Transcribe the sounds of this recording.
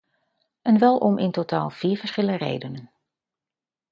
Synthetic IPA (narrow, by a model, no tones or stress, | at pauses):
ɛnʋɛlˠɔmʔɪntotaːlˠv̥iːɹv̥əɹsχɪlərḛjdənən